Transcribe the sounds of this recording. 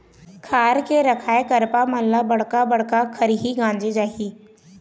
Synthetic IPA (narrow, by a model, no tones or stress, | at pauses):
kʰaːɾkeɾɐkʰaːekɐɾpaməllːabɐɽ̤kabɐɽ̤kakʰəɾiɦiɡãːnd͡ʒid͡ʒaːɦiː